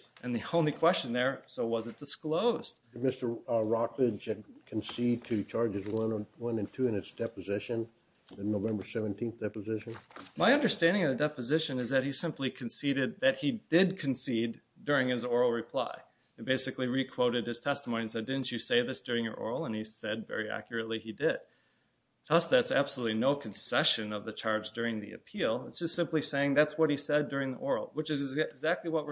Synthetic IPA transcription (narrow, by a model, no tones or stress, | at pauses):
ʔɨ̃nðiõʊ̃nlikʰw̥ɛst͡ʃɨ̃n̩ðə˞soʊwʌzɨt̚d̥ɨskloʊzd̥ɨmɪstə˞ɹɑklɪd͡ʒɨkʰɨ̃n̩sid̚tʰɨt͡ʃʰɑɹd͡ʒɨzwʌ̃nwʌ̃nɨ̃ntʰʉɨ̃nɨtsd̥ɛpɨzɪʃɨ̃n | ɨnoʊvɛ̃mbə˞sɛvɨ̃n̩tʰĩnθd̥ɛpəzɪʃɨ̃nmaɪʌ̃ndə˞stæ̃ndɪ̃ŋʌvðɨdɛpɨzɪʃɨ̃nɨzðɨt̚hisɪ̃mplikʰɨ̃n̩siɾɨd̪̚ðɨt̚hidɪd̚kʰɨ̃n̩sid | dʊɹɪ̃ŋɨzɔɹl̩ˠɹɨpʰl̥a̰ɪ | beɪsɨkliɹikʰw̥oʊɾɨd̚ɨz̥tʰɛstmõʊniɨ̃nsɛdɪdⁿn̩t͡ʃɨseɪðɪsd̥ʊɹɪ̃ŋjə̰˞ʔɔ̰ɹl̩ˠə̃nisɛd̚vɛ̰ɹiæ̰kjə˞ɨtˡliidɪd̥̚ | tʰʌsðætsæ̰b̥səlutˡlinoʊkʰn̩sɛʃɨ̃nʌvðɨt͡ʃʰɑɹbzdʊɹɪ̃ŋðḭɨ̰pʰilˠɪtsd̥ʒ̥ʌstsɪ̃mpliseɪɪ̃ŋðætswʌt̚hisɛdʊɹɪ̃ŋðḭʔɔɹl̩ˠwət͡ʃɨzɪɡzæk̚tˡliwʌt̚wə